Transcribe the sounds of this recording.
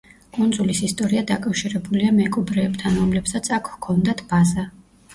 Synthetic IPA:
kʼund̪zulisist̪ʼɔɾiad̪akʼafʃiɾɛbuliamɛkʼɔbɾɛːbt̪ʰanɾɔmlɛpsat̪sʰakʰkʰɔnd̪at̪ʰb̥aza

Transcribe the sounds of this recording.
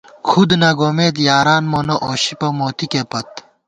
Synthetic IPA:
kʰud̪nɐɡoːmeːt̪jaːɾaːnmonoʔoːɕipɐmoːt̪ikepɐt̪

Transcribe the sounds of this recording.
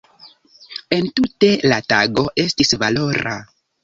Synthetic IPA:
e̞ntute̞lataɡo̞ʔe̞stisvalo̞ɾa̰

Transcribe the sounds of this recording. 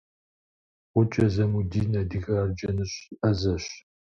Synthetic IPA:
qʷʊt͡ʃʼɐzɐmudiːnɐdiɣɐrd͡ʒʼɐnɨɕʼʔɐzɐɕ

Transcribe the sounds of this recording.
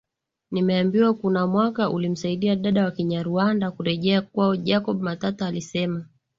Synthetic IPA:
nimɛambiwakunamwakaʔulim̩saiɗiaɗaɗawakiɲaɾuandakuɾɛʄɛak̚waɔʄakɔɓumatataalisɛma

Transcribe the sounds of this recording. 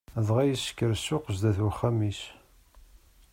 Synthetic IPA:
ðˤʁæjisə̥kːəɾsːʊqəʒd̪æθwəχːæmis

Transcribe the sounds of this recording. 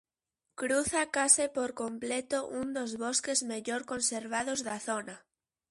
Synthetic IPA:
kɾuθakasepoɾkomplet̪oʔund̪ozβoskezmeʎoɾko̞nseɾβ̞að̞ozðaθona

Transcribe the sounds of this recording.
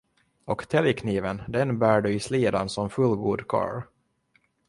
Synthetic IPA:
ɔkt̪ʰɛljkʰniːvənd̪ɛnbæːɖɵɪsliːd̪ansɔmfɵlɡuːd̪kʰɑ̰ːɾ

